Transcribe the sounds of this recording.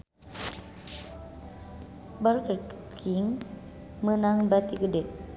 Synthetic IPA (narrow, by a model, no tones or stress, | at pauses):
bəlkkkʰiŋ | mənaŋbat̪iɡədɛt̪̚